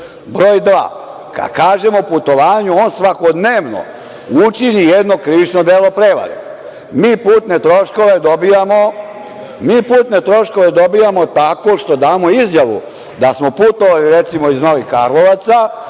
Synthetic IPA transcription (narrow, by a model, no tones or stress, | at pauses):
bɾo̞ːjd̪ʋa̰ː | ka̰d̪kaːʒe̞moput̪o̞ʋaːɲuo̞ːnsʋako̞d̪neːʋno̰ | ut͡ʃiɲijed̪no̞kɾiʋit͡ʃnod̪eːlo̞pɾe̞ːʋa̰ɾḛ | miːpuːt̪ne̞t̪ɾo̞ʃko̞ʋe̞d̪o̞bijamo̞ | miːpuːt̪ne̞t̪ɾo̞ʃko̞ʋe̞d̪o̞bijamot̪ako̞ʃt̪o̞d̪aːmo̞izjaʋṵ | d̪asmo̞put̪o̞ʋaliɾet̪simo̞izno̞ʋixka̰ɾlˠo̞ʋat̪sa